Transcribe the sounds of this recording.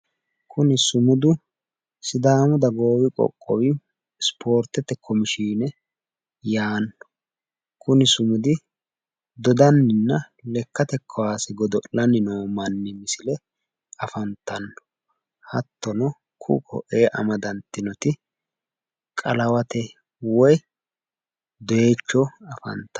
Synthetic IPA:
kʰʊnɪsʊmʊd̪ʊ | sɪd̪aːmʊd̪ɐɡo̞ːwɪkʼɔ̰kʼːɔwɪ | spʰo̞ːɾt̪ɛt̪ɛkʰːɔmɪʃiːnɛ | jaːnːɔ̥ | kʰʊnɪsʊmʊd̪ɪ | d̪ɔd̪ɐnːɪnːɐ | lɛkːɐt̪ɛkʰːɔwaːsɪɡɔd̪ɔʔlːɐnːɪnoːmɐnːɪmɪsɪlɛ | ɐfɐnt̪ːɐnːɔ̥ | hɐt̪ːɔnɔ | kʰʊ̰kʰɔ̰ʔeːʔɐ̰mɐd̪ɐnt̪ːɪnɔt̪ɪ | kʼɐlɐwɐt̪ɛ | wɔj | d̪ɔje̞ːt͡ʃːɔɐfɐ̰nt̪ːɐ

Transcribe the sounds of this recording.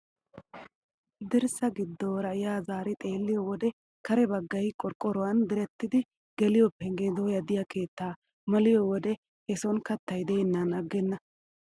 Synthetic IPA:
d̪ɪɾsɐɡɪd̪ːoːɾɐjaːzaːɾɪt̪ʼe̞ːlːɪjɔwɔd̪ɛ | kɐɾɛbɐɡːɐjkʼɔɾkʼːɔɾɔwɐnd̪ɪɾɛt̪ːɪd̪ɪ | ɡɛlɪjɔpːɛŋɡed̪ojɐd̪ɪjɐke̞ːt̪ːaː | mɐlɪjɔwɔd̪ɛ | hɛsɔnkɐt̪ːɐjd̪eːnːɐnɐɡːɛnːɐ

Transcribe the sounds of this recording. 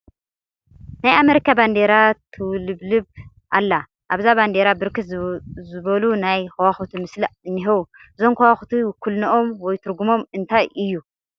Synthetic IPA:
najame̞ɾikʰaband̪eɾat̪ʰɨwlɨβlɨβ | ʔalːa | ʔaβzaband̪eɾabɨɾkɨt̪zɨβɐlunajxɐwaxut̪ʰumɨsliʔɨnːɨɦɐwu | ɨzo̞mkʰɐwaxut̪ʰiwɨkʰːulnɐʔomwɔjt̪ʰɨɾɡumo̞mɨnt̪ʰajɨjːu

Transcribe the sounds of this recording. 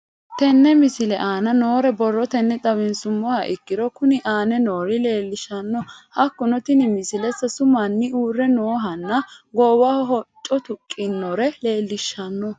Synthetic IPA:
t̪ɛnːɛmɪsɪlɛʔaːnɐno̞ːɾɛbɔrːɔt̪ɛnːɛt̪ʼɐwɪnsʊmːɔhɐʔɪkːɪɾɔkʊnɪʔaːnɛno̞ːɾɪle̞ːlːɪʃɐnːɔhɐkːɔnɔt̪ɪnɪmɪsɪlɛsɐsʊmɐnːɪuːrːɛnoːɦɐnːɐɡɔːwahɔɦɔt͡ʃʼːɔt̪ʊkʼːɪnːɔɾɛle̞ːlːɪʃːɐnːɔ

